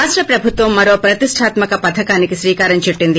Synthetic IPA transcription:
aːsʈɾɐpɾɐbʱut̪ʋɐmːɐɾo̞ːpɾɐt̪iʂʈʰaːt̪mɐkɐpɐt̪ʰɐkaːnikisɾiːkaːɾɐɲt͡ʃiʈːind̪i

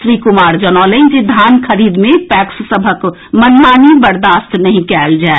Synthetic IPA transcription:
sɾikumaːɾd͡ʒənaled͡ʒed̪ʱaːnkʰəɾiːd̪mẽpɛːkssəbʱək | mənmaːnibəɾd̪aːst̪nəɦĩkɛːld͡ʒae

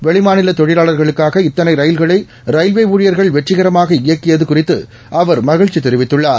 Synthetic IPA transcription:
ʋɛɭɪmaːnɪlɐt̪ɔɻɪlaːɭɐɾɣɐɭɯkːaːɣɐɪt̪ːɐnɐɪɾɐjɪlɣɐɭɐɪ | ɾɐjlʋeːʋuːɻɪjɐɾɣɐɭʋɛʈːrɪɣɐɾɐmaːɣɐɪjɐkːɪjɐðɯkʊrɪt̪ːɯ̰ | ʔɐʋɐɾmɐɣɪɻt͡ʃit̪ɛɾɪʋɪt̪ːɯɭːaːɾ

